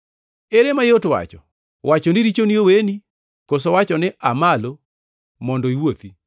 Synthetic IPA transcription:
eɾemajotwa̰t͡ʃɔ | wʔat͡ʃonɪɾit͡ʃonioweni | kos̬owat͡ʃɔnɪʔamalo | mɔndɔiwot̪i

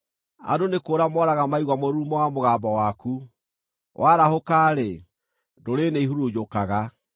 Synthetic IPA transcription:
a̰donekoːɾamɔɾaɣamaiɣwamoɾumɔwamoɣaːbɔwaku | wʔaːɾahokaɾe | doɾeneiɦuɾod͡ʒokaɣa

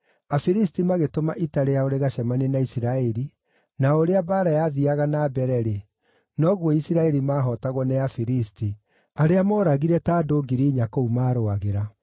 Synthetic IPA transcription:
afiɾistimaɣetomaʔitaɾejaoɾeɣaɕamanenaisiɾaɛɾi | naoɾeabaːɾajaðiaɣanaːbɛɾɛɾe | nɔɣwɔisiɾaɛɾimaːɦɔtaɣɔnɛafiɾisti | aɾeamɔːɾaɣiɾɛtaːdoːɡiɾiːɲakoumaːɾoaɣeɾa

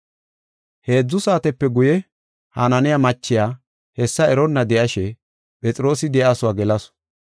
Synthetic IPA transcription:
he̞ːd͡zːʊsaːt̪ɛpːɛɡʊjɛ | hanɐnɪjamɐt͡ʃːɪjaː | hɛsːɐɛɾɔnːɐd̪ɛʔɐʃɛ | pʼɛt͡sʼɪɾo̞ːsɪd̪ɛʔaːsʊwaːɡɛlɐs

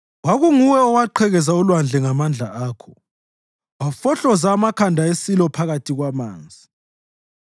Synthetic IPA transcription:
waɣuŋuwɛɔwaǃʰɛɣɛzaulwand͡ɮʱɛŋamand͡ɮʱa̰aːkʰɔ̥ | wafɔɬɔzaːmakʰandʱaesilɔpʰaɣatʰiɣwama̰ːnd͡zʱi

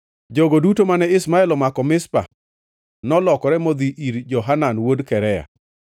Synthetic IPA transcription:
d͡ʒoɡodutomanɛɪsmaɛlɔmakɔmɪspa̰ | nɔlɔkɔɾɛmod̪iʔiɾd͡ʒɔɦananwodkɛɾɛja̰

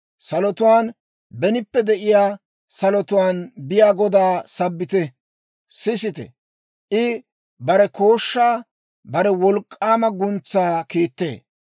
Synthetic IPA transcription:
sɐlɔt̪ʊwaːn | bɛnɪpːɛd̪ɛʔɪjaː | sɐlɔt̪ʊwaːnbɪjaːɡɔd̪aːsɐbːɪt̪ɛ | sɪsɪt̪ɛ̰ | ʔɪ | bɐɾɛko̞ːʃːaː | bɐɾɛwɔlkʼːaːmɐɡʊnt͡sːaːkiːt̪ːḛː

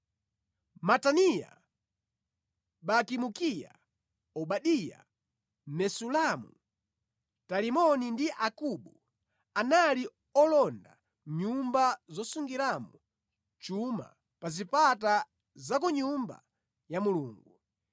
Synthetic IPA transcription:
matanija̰ | ɓakimukija̰ | ɔɓaɗija̰ | nɛsulamu | talimɔnindiʔakuɓu | anali | ɔlɔnda̰ | ɲumbazɔsuŋɡiɾamɔ | t͡ʃuma̰ | pazipata | zakɔɲumba̰ | jamuluːŋɡu

